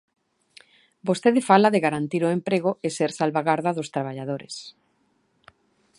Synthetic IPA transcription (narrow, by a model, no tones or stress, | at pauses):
bost̪eðefalaðeɣaɾant̪iɾoempɾeɣ̞oeseɾsalβaɣaɾðaðost̪ɾaβ̞aʎaðoɾḛs